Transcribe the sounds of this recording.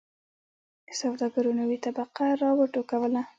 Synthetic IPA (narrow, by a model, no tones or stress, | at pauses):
sawd̪ɑɡaɾunawit̪abaqaɾɑwəʈokawəla